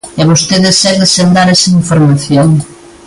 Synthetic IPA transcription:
ɛβost̪eðɪsɛβðesend̪aɾɛsɐiɱfoɾmaθjoŋ

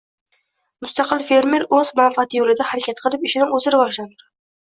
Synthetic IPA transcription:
mʊst̪ɑqʰɨlˠfe̞ɾmeɾɵzmanfɪat̪ʰɪjolɪd̪ahaɾakʲʰat̪qʰɨlˠɪpɪʃɪnɪŋɵzɪɾɪvɒʒland̪ɪɾ

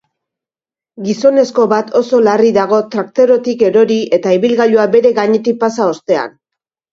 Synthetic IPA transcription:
ɡiso̞ne̞sko̞βat̪o̞so̞lariðaɣ̞o̞t̪ɾakt̪e̞ɾo̞t̪ike̞ɾo̞ɾiʔe̞t̪aiβilɣaʎuabe̞ɾe̞ɣaɲe̞t̪ik̚pasao̞st̪e̞a̰n

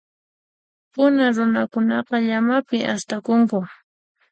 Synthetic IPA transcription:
pʊnaɾʊnakʊnɑqɑʎamapɪʔast̪akʊŋkʊ

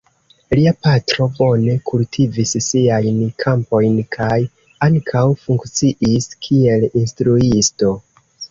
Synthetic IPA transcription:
liapatɾo̞bo̞ne̞kʰultʰivissiajnkʰampo̞jnkʰaj | aŋkʰawfuŋkt͡siʔiskʰie̞linstɾuisto̞

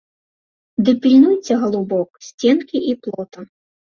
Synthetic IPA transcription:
d̪ɨpʲilʲnujt͡sʲɛɣɐlˠubɔksʲt͡sʲɛnkʲiʔiplˠɔt̪ɐ

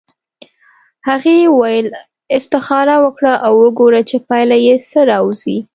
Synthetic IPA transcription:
haɣewajəl | ɪst̪ɪxɑɾawəkɽaʔawːəɡoɾat͡ʃepɑjlajesəɾɑwzi

